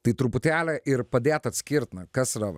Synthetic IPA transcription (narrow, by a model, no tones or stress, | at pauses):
t̪it̪ɾupʊt̪ʲæːlʲɛʔɪɾpɐd̪ʲeːt̪ɐt̪sʲkʲiɾt̪nɐkɐsɾɐʋ